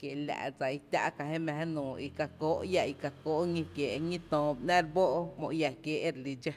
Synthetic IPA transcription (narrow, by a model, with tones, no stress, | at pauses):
ke˨la̰˨˧ʔd͡za˨i˧t̪ʲa̰˦ʔka˨ɦe˦mẽ˧he˦nũ˨i˧ka˧ko˦ʔja˧ʔi˧ka˧ko˦ʔɲĩ˧kje˨ʔɲĩ˦t̪õ˨bnã˦ɾbo˦ʔmo˧ʔja˨kje˨ʔɾli˧d͡ʒa˦